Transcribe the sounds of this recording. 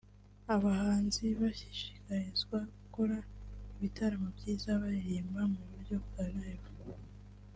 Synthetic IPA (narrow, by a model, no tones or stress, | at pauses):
aβahaːnziβaçiʃi̥kaɾizɡwaɡuko̞ɾaiβitaɾamobɟiːzaβaɾiɾiːmbamuβuɾɟo̞βukaβeβo